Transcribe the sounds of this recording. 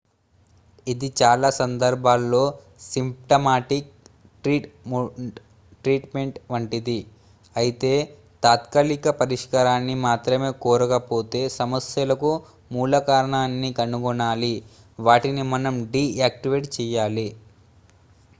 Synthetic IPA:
id̪it͡ʃaːlaːsɐnd̪ɐɾbʱaːlːo̞ː | simpʈɐmaːʈik̚ | ʈɾiːʈ | ʈɾiːʈme̞ɳʈʋɐɳʈid̪i | ɐjit̪e̞ː | t̪aːt̪kɐlikɐpɐɾiʂkaːɾaːnːimaːt̪ɾɐme̞ːkɔːɾɐkɐpo̞ːt̪e̞ːsɐmɐsjɐlɐku | muːlɐkaːɾɐɳaːnːikɐnuɡɔɳaːli | ʋaːʈinimɐnɐmɖiːaːk̚ʈiʋeːʈt͡ʃɛːjaːli

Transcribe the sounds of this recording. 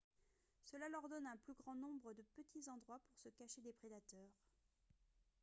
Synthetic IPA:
səlalœʁd̪ɔnɛ̃plyɡʁɑ̃nɔ̃bʁəd̪əpət̪ʰizɑ̃d̪ʁwapuʁsəkaʃed̪epχed̪at̪œːʁ

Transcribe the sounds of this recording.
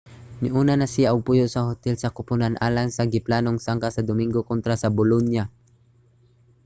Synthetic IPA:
nɪʔuːnanasɪjaʔʊɡ̚pʊjʊʔsahot̪ɛlsakʊpʊnanʔaːlaŋsaɡɪplaːnoŋsaŋkasad̪ʊmiŋɡokont̪ɾasabʊlonja

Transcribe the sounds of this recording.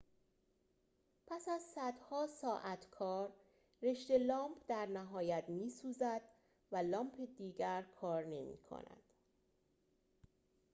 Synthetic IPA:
pʰæsæzsæd̪hɒːsɒːʔæt̪ʰkʰɒːɾː | e̞ʃt̪e̞lɒːmpʰd̪æɾnæɦɒːjæt̪miːsuːzæd̪̥ | vælɒːmpʰed̪iːɟæɾkʰɒːɾne̞mḭːkʰo̰næ̰d̪̥

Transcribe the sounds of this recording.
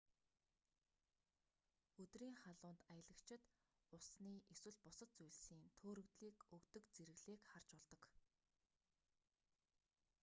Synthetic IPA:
ɵt̪riːŋχaɮʊːnt̪ajə̆ɮə̆kt͡ɕʰɪ̆t̪ | ʊsniːʔeswɘ̆ɮpʊsə̆t̪̚t͡sujɮsiːnt̪ʰoːɾɵ̆kt̪ɮiːkɵkt̪ɵ̆kt͡seɾɘ̆ɣɮeːkχart͡ɕpɔɮt̪ɞ̆k

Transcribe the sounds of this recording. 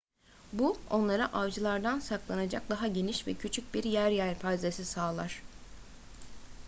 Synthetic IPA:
buo̞̰nlˠaɾaʔavd͡ʒɯlˠaɾd̪ansaklˠanad͡ʒak̚d̪aɦaɟe̞niʃvɛcʰyt͡ʃʰyc̚biɾjæɾjæɾpʰajzesisaːlˠaɾ̥

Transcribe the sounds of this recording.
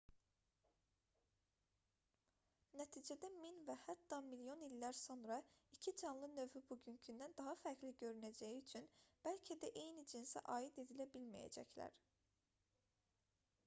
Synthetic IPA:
næt̪ʰiːd͡ʒæd̪æminvæhæt̪ːɑmiljo̞nilːæɾso̞nɾɑicʰid͡ʒɑnlˠɯnø̞vybuɟyncʰynd̪ænd̪ɑɦɑfæɾcliɟø̞ɾynæd͡ʒæjiyt͡ʃʰynb̥ælcʰæd̪æʔe̞jnid͡ʒinsæ̰ʔɑːid̪e̞d̪ilæbilmæ̰jæ̰d͡ʒæ̰clæ̰ɾ̥

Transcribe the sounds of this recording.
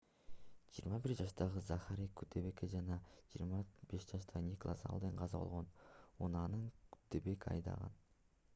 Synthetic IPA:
d͡ʒijːɾmɑbiɾd͡ʒɑʃt̪ɑʁɯzɑχaɾikʉt̪ːeβe̞ked͡ʒɑnɑd͡ʒiːɾmɑbe̞ʃd͡ʒɑʃt̪ʰɑʁɯnʲeklˠɑsɑ̰lˠd̪eɴqʰɑzɑbo̞̰lˠʁo̞nunɑnɯŋkʉ̥t̪ːebe̞kɑ̰jd̪ɑ̰ʁɑ̰n

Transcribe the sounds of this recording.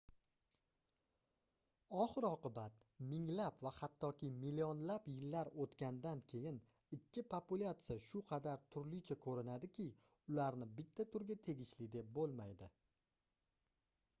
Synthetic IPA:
ɒχɨɾɒqɨbat̪mɪŋlapvahat̪ʰːɒkʲʰɪmɪliɒnlapjɪlːaɾot̪kʲand̪ankʲʰe̞jɪn | ɪkʲʰːɪpʰopʊlʲˠat̪sɨjaʃʊqʰɑd̪aɾt̪ʰʊɾlɪt͡ʃʰakʰɵɾɪnad̪ɪkʲʰɪ | ʊlaɾnɪbɪt̪ʰːat̪ʰʊɾɡʲat̪ʰe̞ɡʲɪʃlɪd̪e̞p̚bolˠmajd̪ɪ

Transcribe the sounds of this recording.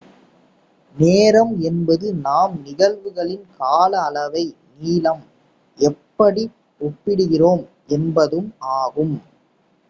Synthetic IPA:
neːɾɐmɛnbɐðɯnaːmnɪɣɐlʋɯɣɐɭɪnkaːlɐːlɐʋɐɪniːlɐm | ʔɛpːɐɽi | ɔpːɪɽɯɣɪroːm | ʔɛnbɐðɯmʔaːɣɯm

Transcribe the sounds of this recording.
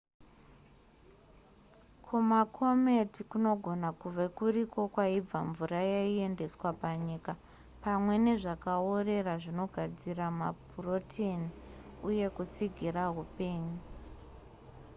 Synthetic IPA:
kʰumakʰo̞metikuno̞ɡʱo̞nakuʋekuɾiko̞kwaib͡vaɱvuɾajaie̞nde̞swapaɲiːka | pamwe̞ne̞ʐakaore̞raʐino̞ɡʱad͡ziramapuro̞tʰeniuje̞kut͡siɡʱiraɦupe̞ːɲu

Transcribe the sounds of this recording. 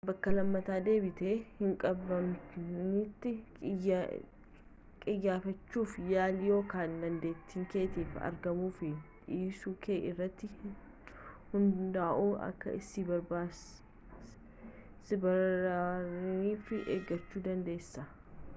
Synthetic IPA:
bɐkːɐlɐmːɐt̪aːd̪e̞ːbɪt̪eːhɪŋkʼɐbɐmnɪt̪ːɪ | kʼɪjːaːfɐt͡ʃːuːfjaːlɪjo̞ːkaːnd̪ɐnd̪e̞ːt̪ːiːŋke̞ːt̪eːfɐ̰ɾɡɐmuːfɪᶑiːsuːkʰeːʔɪrːɐt̪ːɪ | hʊnd̪aːʔuːɐ̰kːɐ̰ʔɪsibɐɾbaː | sɪbɐ | ɾiːfɪʔeːɡɐt͡ʃːuːd̪ɐnd̪e̞ːsːɐ

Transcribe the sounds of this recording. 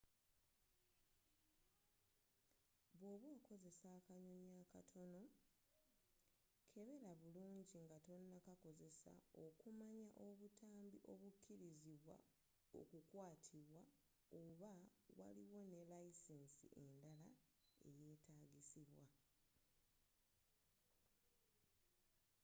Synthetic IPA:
βwoβweːko̞ze̞saːkaɲo̞ɲaːkatʰo̞no̞ | kʰe̞βe̞ɾaβuluːɲɟiŋɡato̞nːakako̞ze̞sa̰o̞kumaɲaʔo̞βutʰaːmbiʔo̞βukʰːiɾiziβwa̰ | o̞̰kukwaːtʰiβwa | oβawa̰liwo̞ne̞laisensḭʔe̞ndalae̞̰je̞ːtaːɡisiβwa

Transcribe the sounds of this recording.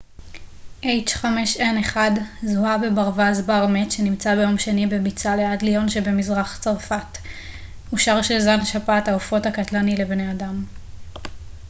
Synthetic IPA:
ʔejd͡ʒχameʃeneχadzuabebaʁvazbaʁmetʃenimt͡sabejo̞mʃenibe̞bit͡saleadlijo̞nʃe̞be̞mizʁaχt͡saʁfat | uʃaʁʃelzanʃapataofo̞thakatlanile̞bneadam

